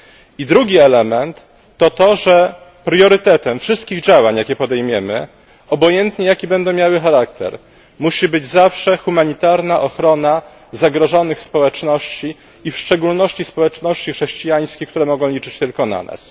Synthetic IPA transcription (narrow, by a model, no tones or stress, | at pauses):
id̪ɾuɡʲiɛlɛmɛnt̪ː | ɔt̪ɔʐɛ | pɾjɔɾɘt̪ɛt̪ɛmfʂɘst̪̚kʲiɣd͡ʑawaɲjakʲɛpɔd̪ɛjmʲjɛmɘ̰ | ɔbɔjɛnt̪ɲɛjakʲibɛnd̪ɔw̃mjawɘxaɾakt̪ɛ̰ɾ | muɕibɘd͡ʑzafʂɛxumaɲit̪aɾnaʔɔxɾɔna | zaɡɾɔʐɔnɘxspɔwɛt͡ʂnɔɕt͡ɕi | ifʂt͡ʂɛɡulnɔɕt͡ɕispɔwɛt͡ʂnɔɕt͡ɕixʂɛɕt͡ɕijaj̃skʲejkt̪uɾɛmɔɡɔ̃w̃lʲit͡ʂɘt͡ɕt̪ɘlkɔna̰na̰s